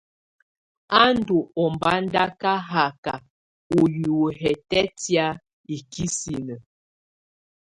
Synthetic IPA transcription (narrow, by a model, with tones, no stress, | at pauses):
a˦n˦du˨ɔ˨mba˦n˦da˦ka˦ɦa˨ka̰˨ | o˨ju˨ɦɛ˨tɛ˦tja˦ | i˨ki˦si˨nə˨